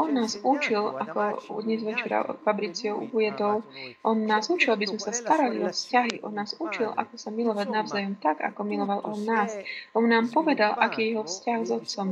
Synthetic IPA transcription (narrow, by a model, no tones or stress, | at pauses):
ɔnːaːzut͡ʃilakɔd̪ɲɛzʋɛt͡ʃɛɾa̰fabɾit͡siɔʊujɛd̪ɔʊʔɔnnaːzut͡ʃilabizmɛsast̪aɾaliɔfscaɦiʔɔ̰nːaːzut͡ʃilʔa̰kɔsamilɔʋaɟnaʊzaːjɔmt̪aɡa̰kɔmilɔʋalʔɔnːaːsʔɔnnaːmpɔʋɛd̪alʔakiːjɛjɛɦɔfscaɣzɔt̪t͡sɔm